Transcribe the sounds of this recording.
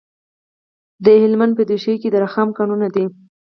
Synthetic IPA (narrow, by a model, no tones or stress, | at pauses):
d̪əhɪlmand̪̚pəd̪eʃejked̪əɾaxamkanunad̪i